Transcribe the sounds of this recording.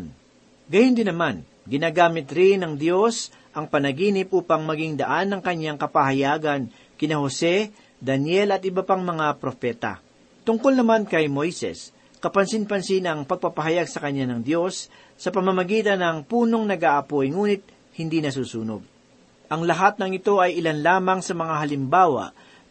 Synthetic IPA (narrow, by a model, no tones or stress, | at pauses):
n | ɡɐjʊnd̪ɪnɐman | ɡɪnaːɡaːmɪt̪ɾɪnːɐŋd̪jo̞s | ʔɐŋpɐnɐɡiːnɪpʔuːpɐŋmɐɡiŋd̪ɐʔanːɐŋkɐɲːaŋkɐpahɐjaːɡɐn | kɪnɐho̞sɛ | d̪ɐnjɛlɐt̪ʔɪbɐpaŋmɐŋapɾo̞pɛːt̪ɐ̰ | t̪ʊŋkolnɐmankɐjmo̞jsɛ̰s | kɐpɐnsɪnpɐnsɪnɐŋpɐɡ̚pɐpɐɦɐjaɡsɐkɐɲːanɐŋd̪jo̞sː | ɐpɐmɐmɐɡiːt̪ɐnɐŋpuːno̞ŋnɐɡaːʔɐpojŋuːnɪt̪̚ | hɪnd̪inɐs̬uːsuːno̰ɡ̚ | ʔɐŋlɐɦat̪̚nɐŋɪt̪o̞ʔɐjʔɪlanlaːmɐŋsɐmɐŋaɦɐlɪmbaːwɐ̰ʔ